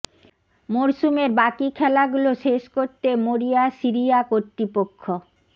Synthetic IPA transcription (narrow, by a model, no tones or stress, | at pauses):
moɾsumeɾbakikʰɛlaɡuloʃeʃkoɾt̪emoɾijasiɾijakot̪ɾipokʰːo